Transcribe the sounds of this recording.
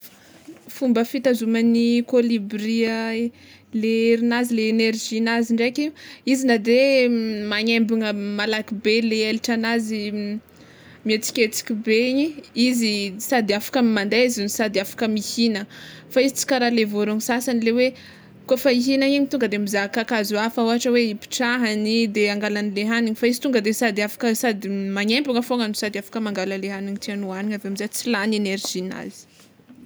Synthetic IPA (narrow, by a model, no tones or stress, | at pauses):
fumbəfit̪azumanikolibriə | leɾinazileːnerʒinaziɳɖ͡ʐekiizinad̪emaɲembiŋəmalakibeleeliʈ͡ʂanazi | miet͡si̥kʲet͡si̥kʲibeɲiizisad̪iafḁkəmimand̪eizunisad̪iafḁkəmihinəfaizit͡si̥kaɾalevoɾuɲisasanilewe | kofəiɦinaiɲit̪uŋɡəd̪emizakakazuafəuɦaʈ͡ʂəweipi̥ʈ͡ʂaɦanid̪eaŋɡalanileɦaniɲifaizi̥t̪uŋɡəd̪esad̪iafḁkəsad̪imaɲempuŋəfoŋanusad̪afḁkəmaŋɡaləleɦaniɲit̪ianuaniɲaveamizat͡silaneneɾʒina̰z̥i̥